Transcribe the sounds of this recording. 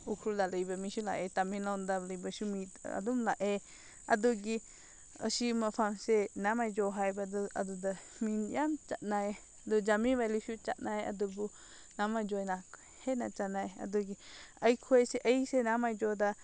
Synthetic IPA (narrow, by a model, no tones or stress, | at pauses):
ukʰɾud̪aləjbamĩʃula̰ʔet̪amĩnand̪aləjbaʃumia̰d̪umlaʔe | ad̪uɡi | ə̰ʃimãfamsenamajd͡ʒoɦajbad̪ad̪ud̪a | mĩnjamt͡ʃaʔnae | d̪ud͡ʒamĩʋaliʃut͡ʃa̰ʔnaeʔa̰d̪ubu | namad͡ʒoenak | henat͡ʃanãea̰d̪uɡi | əjkʰueseʔəisenamajd͡ʒod̪a